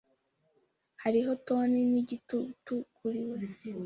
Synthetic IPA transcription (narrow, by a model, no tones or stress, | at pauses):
haɾiɦo̞toːneniɟitutukʰuɾiwe